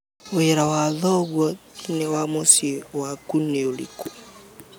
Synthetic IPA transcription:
oɛɾawaðɔɣwɔnɛwamosiwakuneolḭku

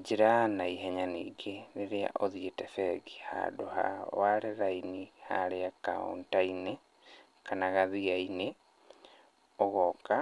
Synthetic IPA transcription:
d͡ʑeɾanaiɦɛɲanḭɡeneɾea̰ʔoðietɛfɛɡiha̰ːdoha̰waɾeɾainihaɾeaka̰o̰ntaine | kanaɣaðiaine | ɔɣɔka

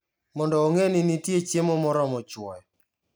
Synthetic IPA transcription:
mɔndɔːŋenɪnitjet͡ʃjemomɔɾɔmɔt͡ʃwɔjɛ

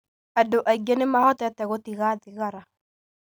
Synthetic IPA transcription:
adoʔaiɡenemahɔtɛtɛɣotiɣaðiɣaɾa

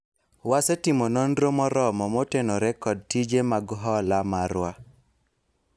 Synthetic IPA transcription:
wasetimonondɾomɔɾɔmɔmotenoɾɛkɔd̚tid͡ʒemaɡɦɔlamaɾwa

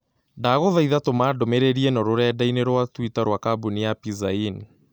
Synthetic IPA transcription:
daɣoðaiðatomadomeɾeɾiɛnɔɾoɾɛdaineɾwatwitaɾwakabuniapizain

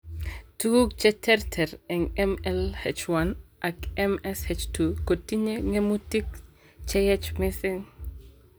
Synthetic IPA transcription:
tuɡukt͡ʃɛtɛrtʰɛɾɛŋɛmɛlhɛt͡ʃwanʔakɛmɛshet͡ʃtukotːiɲeŋemutik | t͡ʃɛjɛt͡ʃmɪsɪŋ

